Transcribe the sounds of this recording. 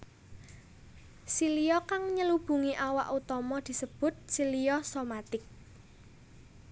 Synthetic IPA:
silijɔkaŋɲəlub̥ṳŋiʔawaʔut̪ɔmɔd̪̥i̤səb̥ʊ̤t̪̚silijɔsomat̪ɪk̚

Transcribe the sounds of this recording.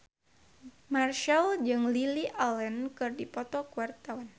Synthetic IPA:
marʃɛld͡ʒɨŋliliʔalɛnkɨrdipɔt̪ɔkuwart̪awan

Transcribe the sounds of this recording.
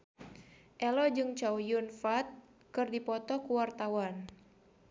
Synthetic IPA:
ʔɛlɔd͡ʒɨŋt͡ʃawjunfat̪̚ | kɨrdipɔt̪ɔkuwart̪awan

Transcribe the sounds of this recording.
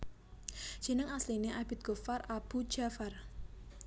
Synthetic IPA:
ʒ̥i̤nəŋaslineʔab̥ɪt̪̚ɡ̥o̤farab̥u̥d͡ʒ̥afar

